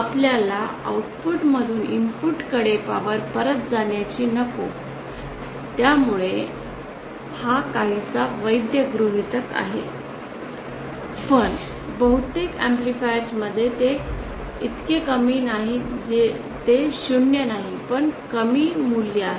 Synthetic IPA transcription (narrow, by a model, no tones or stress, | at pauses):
apljalaə̰uʈpuʈməd̪ʱuːnimpuʈkəɽepaʋəɾpəɾət̪̚d͡zaɳjat͡ɕiːnəko | t̪jamuɭe | hakaɦit͡saʋəjd̪jəɡɾuɦit̪ək̪a̰ɦe | pəɳ | bəɦut̪ekemplifajɾd͡zməd̪ʱːjet̪e | it̪kekəmiːnaɦid͡ʑe | t̪eɕuɳjənaɦipəɳkəmiːmulːjaɦ